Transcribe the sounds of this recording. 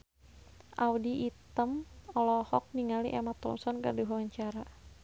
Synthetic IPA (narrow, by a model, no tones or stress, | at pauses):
ʔaudiʔit̪əmɔlɔhɔk̚niŋaliʔɛmat̪ɔ̰nsɔnkə̰rdiɦawaɲt͡ʃaɾa